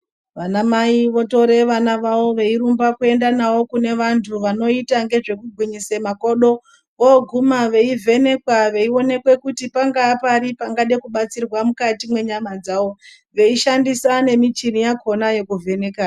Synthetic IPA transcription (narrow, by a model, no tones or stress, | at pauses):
ʋanamaiʋo̞to̞ɾe̞ʋanaʋawo̞ʋe̞iɾumbakue̞ndanawo̞kune̞ʋantʰuʋano̞itaŋɡe̞ʐe̞kuɡʱwiɲisemako̞ɗo̞ | ʋoɡʱumaʋe̞ivʱe̞ne̞kwaʋe̞io̞ne̞kwe̞kutipaŋɡaːpaɾipaŋɡaɗe̞kuɓat͡sirwamukatimwe̞ɲamad͡zaːwo̞ | ʋe̞iʃandisane̞mit͡ʃinijako̞naje̞kuvʱe̞ne̞kaː